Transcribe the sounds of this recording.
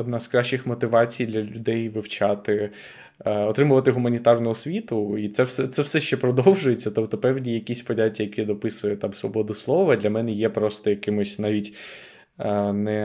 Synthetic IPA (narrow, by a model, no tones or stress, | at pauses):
ɔd̪nɑzkɾɑʃʲt͡ʃɪxmɔt̪ɪʋɑt͡sʲijd̪lʲɐlʲʊd̪ɛjʋɪwt͡ʃɑt̪ɪ | ɔt̪ɾɪmʊʋɐt̪ɪɦʊmɐnʲit̪ɑrnʊɔsʲʋʲit̪ʊit̪sɛwsɛt̪sɛwsɛʃt͡ʃɛpɾɔd̪ɔwʒʊjet͡sʲːɐt̪ɔpt̪ɔpɛwdʲijɐkʲisʲpɔdʲatʲːɐjɐkɛd̪ɔpɪsʊjɛt̪ɑmsʋɔ̰bɔd̪ʊslˠɔʋɐd̪lʲɐmɛnɛjɛpɾɔst̪ɔjɐkɪmʊsʲnɑʋʲitʲ | nɛ